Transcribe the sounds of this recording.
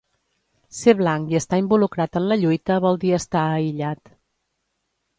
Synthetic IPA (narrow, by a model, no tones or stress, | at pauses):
seβlaŋkiəst̪aimbulukɾat̪ənləʎujt̪əβɔlˠd̪iəst̪aəiʎat̪